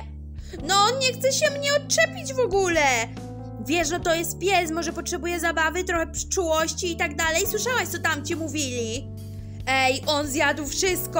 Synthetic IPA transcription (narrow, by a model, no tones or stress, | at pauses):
nɔɔnɲɛxt̪sɛɕɛmɲɛɔt̚t͡ʂɛpʲid͡ʑvɔɡulɛ | vʲjɛʂnɔt̪ɔjɛst̪̚pʲjɛsmɔʐɛpɔtʂɛbujɛzabavɘt̪ɾɔxɛpʂɘ̥t͡ʂuwɔɕt͡ɕiːt̪aɡ̚d̪alɛjswɘʂawaɕt̪ɔt̪amt͡ɕɛmuvʲilʲi | ɛjʔɔnzʲjad̪wfʂɪst̪̚kɔ